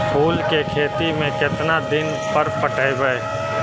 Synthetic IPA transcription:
pʰuːlkekʰeːt̪imẽkɪt̪nad̪ɪn | pəɾpəʈəebəe

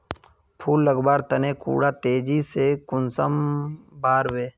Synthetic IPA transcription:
pʰuːlːəɡbaːɾt̪əneːkṵːɽaːt̪eːd͡ʒiseːkʊnsəmbaːɾweː

